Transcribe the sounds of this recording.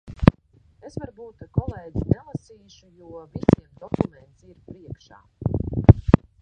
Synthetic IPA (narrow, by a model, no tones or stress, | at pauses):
e̞svaɾbuːt̪̚kakɔlˠeːd̪zinelˠasiːʃujuɔvit̪siɛmd̪ɔkument̪siɾpɾiɛkʃa̰ː